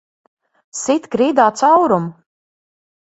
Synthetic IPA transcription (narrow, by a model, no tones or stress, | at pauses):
sit̪kɾiːd̪aːt̪sawɾum